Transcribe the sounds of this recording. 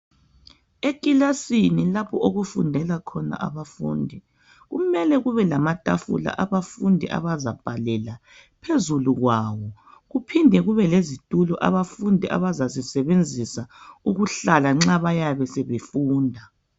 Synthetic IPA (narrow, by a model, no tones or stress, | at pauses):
ekʼilasinilapʰɔʔoɣufundʱɛlakʰɔna̰ʔa̰βafṵːndʱi | ɣumɛlɛɣuβɛlamatʼa̰fṵla̰ʔaβafundʱiʔa̰βazab̥ʱalɛla | pʰezuluɣwaːwɔɣupʰindʱɛɣuβɛlezitʼulɔʔa̰βafundʱiʔa̰βazazisɛβend͡zʱisauɣuɬalaŋ͡ǁaβajaβɛsɛβefuːndʱa